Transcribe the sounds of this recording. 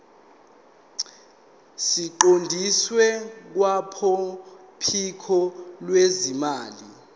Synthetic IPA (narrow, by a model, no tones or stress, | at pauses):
siǃondʱiswɛk̬wapʰɔ | pʰikʰɔlwezimaːli